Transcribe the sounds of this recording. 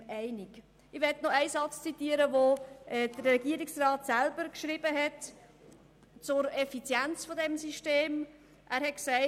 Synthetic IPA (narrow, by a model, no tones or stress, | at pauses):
ɛɪnik | ɪʋɛtnɔæɪsɑt͡st͡sit̪iːəɾəʋoʔɛd̥əɾːɛɡiəɾiksrɑːt̪sælbəɾkʃɾibəɦɛt | t͡sʊɾɛfit͡sjɛnt͡sfodɛmsiʃteːm | ʔæːɾhɛtksæɪ